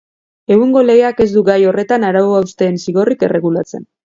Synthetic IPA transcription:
e̞ɣuŋɡo̞le̞ɣe̞ake̞zd̪uɡajo̞re̞t̪anaɾawoaust̪e̞ːnsiɣo̞rike̞̰re̞ɣulat͡se̞̰n

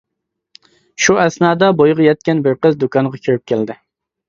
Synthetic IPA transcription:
ʃuʔæsnɑːd̪ɑbojʁɑjɛt̪̚kʲɛnbɪɾqəzd̪ukʰɑɴʁɑkʲʰøɾyp̚kʲʰeld̪ɪ

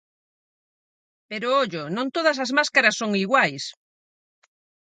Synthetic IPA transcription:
peɾʊoʎʊnõnt̪oðɐs̬ɐzmaskaɾɐsːoŋiɣwajs

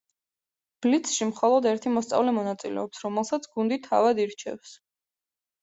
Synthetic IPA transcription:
b̥lit̪sʰʃimχɔlˠɔd̪ɛɾt̪ʰimɔst̪sʼa̰vlɛmɔnat̪sʼilɛ̰ɔpsɾɔmɛlˠsat̪sʰɡund̪it̪ʰa̰vad̪iɾt͡ʃʰɛ̰fs

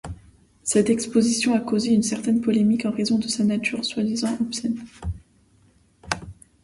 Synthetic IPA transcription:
sɛt̪ɛkspozisjɔ̃akozeynsɛʁt̪ɛnpɔlemikɑ̃ʁezɔ̃d̪əsanat̪ʰyʁswad̪izɑ̃ʔɔpsɛn

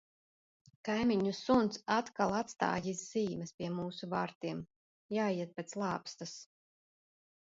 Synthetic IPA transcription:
kajmʲiɲusunt̪sat̪kalˠat̪st̪a̰ːjizz̥iːmɨspʲiɛmuːsuva̰ːɾt̪iɛm | jaːjiɛt̪̚pet̪slˠɑːpst̪as

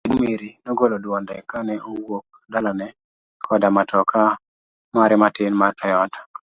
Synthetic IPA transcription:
nmeɾinɔɡolodɔndɛkanɛowok̚ | dalanɛ | kʰɔdamatʰɔkʰa | maɾɛmatɪnmarpɛjɔt

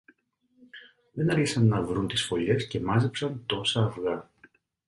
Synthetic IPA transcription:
ðe̞nɐɾçisɐnːɐvɾunt̪isfo̞ʎe̞sce̞mɐzepsɐnt̪o̞sɐːfɣɐ

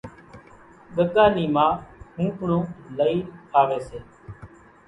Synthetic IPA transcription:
ɠəkaːniːmãːhũːkɳõːləiːpʰaːʋeːseː

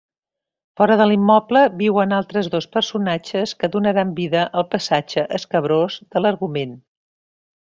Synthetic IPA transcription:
fɔɾəðəlimːɔpləβiwənalˠt̪ɾəzðospəɾsunat͡ʃəskəðunəɾambiðəʔəlˠpəsad͡ʒəʔəskəβ̞ɾozd̪ələɾɣumen

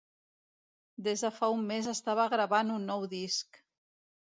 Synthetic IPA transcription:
d̪ezðəfaumːezəst̪aβəɣɾəβanunːɔwðisk

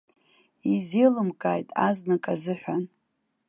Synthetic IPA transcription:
izelɨmkʼajtʼaznɨkʼazɨħʷᶣan

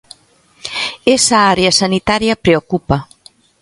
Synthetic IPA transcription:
esaaɾeasanit̪aɾjapɾeokupa

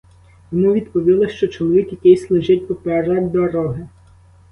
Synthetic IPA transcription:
jɔmuʋʲid̪pɔʋʲilˠɪʃt͡ʃɔt͡ʃɔlˠɔʋʲikjɐkɪjslˠɪʒɪtʲpɔpɛɾɑdʲd̪ɔɾɔɦɪ

